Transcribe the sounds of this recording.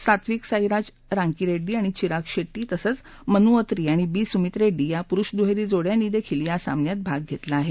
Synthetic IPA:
sat̪ʰʋiːksajɾad͡ʑ | ɾãŋkiɾeɖːiːaɽ̃it͡ɕiɾakɕeʈːiːt̪əsət͡s | mənuət̪ɾiːaɽ̃ibiːsumit̪ɾeɖːiːjapuɾuɕd̪uɦeɾiːd͡zoɽjaniːd̪ekʰilijasa̰mnjat̪̚bʱaɡ̚ɡʱet̪laːɦe

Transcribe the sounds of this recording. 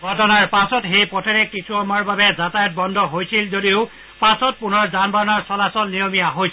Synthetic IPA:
ɡʱɔtɔnaɹpasɔtxejpɔtʰɛɹɛkɹisʰuɔmaɹbabɛzatajɔt̚bɔndʱɔɦojsilzodiʊ | pasɔt̚punɔɹzanbaɔnɔɹsɔlasɔlnijɔmijaɦojs

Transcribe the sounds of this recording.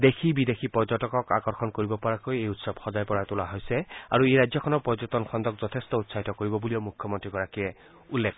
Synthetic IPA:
d̪ekʰibidexʰipɔɹzɔtɔkɔka̰kɔɹxɔnkoɹibɔpɔɹakojejutsɔbxɔzajpɔɹatulaɦojsɛa̰ɹueɹajzjɔkʰɔnɔɹpɔzutɔnkʰɔndɔkzɔtʰestɔutsaɦitɔkoɹibɔbuliɔmukʰjɔmɔntɹiɡɔɹakiɛ | ulːek

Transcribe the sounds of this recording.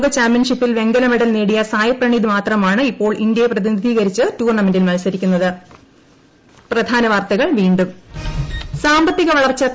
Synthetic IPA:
ɡɐt͡ɕaːmpjɐnʂipːilʋe̞ŋɡɐlɐmeɽɐlneːɽijɐsaːjɐpːrɐɳid̪imaːt̪rɐmaːɳɨipːo̞ːɭʔind̪jɐjeprɐðinid̪ʱiːɣɐɾit͡ɕːɨtuːrɳɐmendilmɐlsɐɾikʲːunːɐðɨ | prɐd̪ʱaːnɐʋaːrt̪ɐɣɐɭʋiːɳɖum | saːmbɐt̪ːiɣɐʋɐɭɐrt͡ɕːɐ

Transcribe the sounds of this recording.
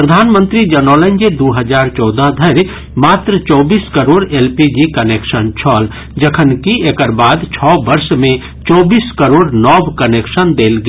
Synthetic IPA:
pɾəd̪ʱaːnmə̃nt̪ɾid͡ʒɐnɔːlə̃nd͡ʒed̪oːɦəzaːɾt͡ʃɔːd̪əɦd̪ʱɐɾ | maːt̪ɾət͡ʃɔːbiːskɐɾoːɾeːlpid͡ʒikɐneːkʃənt͡ʃʰɔːl | d͡ʒɐkʰənkiekəɾbaːd̪t͡ʃʰɔːbɐɾsmẽ | t͡ʃɔːbiːskɐɾoːɾnɔːbkɐneːkʃənd̪eːlɡ

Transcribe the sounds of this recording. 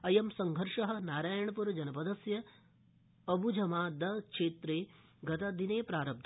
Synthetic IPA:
ɐjɐmsɐŋɡʱɐɾʂɐɦɐ̆naːɾaːjɐɳɐpuɾɐd͡ʒɐnɐpɐd̪ɐsjɐː | bʱud͡ʒʱɐmaːd̪ɐkʂeːt̪ɾeː | ɡɐt̪ɐd̪ineːpɾaːɾɐb̚d̪ʱ

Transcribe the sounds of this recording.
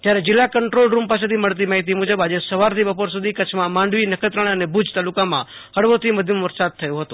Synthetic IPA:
t̪jaɾed͡ʒɪlːakəɳʈɾolɾumpas̬et̪ʰiməɭt̪̬imaɦit̪̬imud͡ʒəbad͡ʒesəʋaɾt̪ʰibəpoɾsud̪ʱikət͡ʃʰmãmãɳɖʋinəkʰət̪ɾəɽ̃ənebʱud͡ʒt̪alukamã̰ | əɽʋot̪ʰiməd̪ʱjəmʋəɾsad̪̚t̪ʰəjõɦət̪u

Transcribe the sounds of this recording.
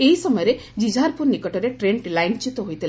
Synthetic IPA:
eɦisɔmɔjɔɾe | d͡ʒid͡ʒʱaɾpʰuɾnikɔʈɔɾeʈɾeɳʈlajnt͡ʃit̪ɔɦojt̪ʰil

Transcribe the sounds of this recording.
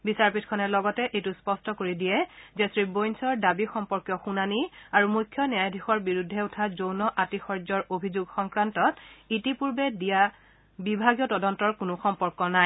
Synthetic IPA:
bisaɹpitʰkʰɔnɛlɔɡɔtɛʔejtuspɔstɔkoɹidijɛzɛsɹibojnsɔɹdabixɔmpɔɹkjɔxunaniaɹumujkʰjɔnɛajdʱixɔɹbiɹudʱːɛʊtʰazownɔʔatixɔɹzɔɹobʱizuɡxɔŋkɹantɔtitipuɹbɛdija | bibʱaɡijɔtɔdɔntɔɹkʊnʊxɔmpɔɹkɔnaj

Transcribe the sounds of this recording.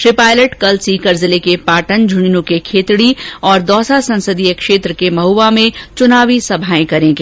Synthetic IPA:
ʈɾɪpaːjləʈkɐlsikɐɾzəlekepaːʈənd͡ʒʱʊninũkekʰeːt̪ɽiɔːɾd̪ɔːsasɐ̃nsəd̪ijəkʃeːt̪ɾəkemɐɦuːʋamẽt͡ʃʊnaːʋisɐbʱaːẽkɐɾẽːɡeː

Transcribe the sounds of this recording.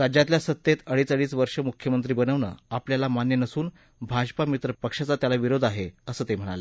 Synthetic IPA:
ɾad͡ʑjat̪ljasət̪jet̪əɽiːt͡səɽiːsʋəɾʂəmukʰjəmənt̪ɾiːbənəʋɳə̰ːapljalamanjənəsuːn | bʱad͡ʑpamit̪ɾəpəkʂat͡sat̪jalaʋiɾod̪ʱaɦeəsəːt̪em̤əɽ̃a̰lə

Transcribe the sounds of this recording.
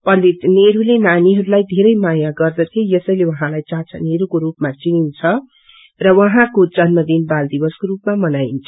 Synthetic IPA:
pʌlineɾulenaniɦʌɾulajd̪ʱeɾʌjmajaɡʌrd̪ʌt̪ʰjojʌsʌjlewʌɦãlajt͡saɦt͡sʰʌneɾukoɾupmat͡sinint͡sʰʌ | rʌwʌɦãkod͡zʌnmʌd̪inbald̪ibʌskorupmamʌnaint͡sʰʌ̥

